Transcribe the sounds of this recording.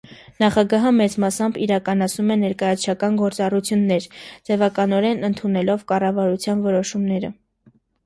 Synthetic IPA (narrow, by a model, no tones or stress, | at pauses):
nɑχɑɡɑɦəmɛt͡smɑsɑmbiɾɑkɑnɑt͡sʰnumɛnɛɾkɑjɑt͡sʰt͡ʃʰɑkɑnɡɔɾt͡sɑrut͡sʰjunːɛɾd͡zɛvɑkɑnɔɾɛnənt̪ʰunɛlɔvkɑrɑvɑɾut͡sʰjɑnvɔɾɔʃumnɛɾə̰